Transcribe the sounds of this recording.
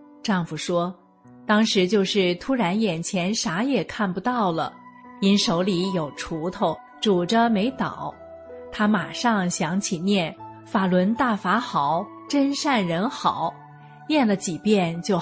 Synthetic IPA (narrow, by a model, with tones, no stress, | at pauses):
ʈ͡ʂɑ˥˩ŋfu˨˩ʂwɔ˥ | t̪ɑ˥ŋʂɻ̩˧˥t͡ɕjo˥˧ʊʂɻ̩˥˩t̪ʰu˥ɻa˧˥njɛ˨˩nt͡ɕʰjɛ˧˥nʂa˧˥jɛ˨˩kʰa˥˩npu˧t̪ɑ˥˩ʊlə̰˩ | i˥nʂo˧˥ʊli˧˥jo˨˩ʊʈ͡ʂʰu˧˥t̪ʰo˥˧ʊ | ʈ͡ʂu˨˩ʈ͡ʂə˧me˧˥ɪt̪ɑ̰˨˩˦ʊ | t̪ʰa˥ma˨˩ʂɑ˥˧ŋɕjɑ˧˥ŋt͡ɕʰi˨˩njɛ˥˩n | fa˨˩lwə˧˥nt̪a˥˩fa˧˥xɑ˨˩˦ʊ | ʈ͡ʂə˥nʂa˥˩nɻə˧˥nxɑ˨˩˦ʊ | njɛ˥˩nlə˩t͡ɕi˨˩pjɛ˥˧nt͡ɕjo˥˩ʊ